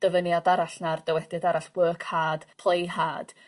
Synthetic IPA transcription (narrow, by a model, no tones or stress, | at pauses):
d̥əvənjadaɾaɬnard̥əwɛdɪdaɾaɬwəːkʰhaːd̥pʰlˠejhaːd̥